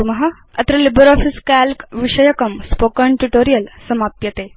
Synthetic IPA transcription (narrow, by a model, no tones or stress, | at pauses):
mɐɦɐ | ɐt̪ɾɐlibəɾɔːfiskælkʋiʂɐjɐkɐmspokəɳʈuʈoɾijəlsɐmaːp̚t̪jɐt̪e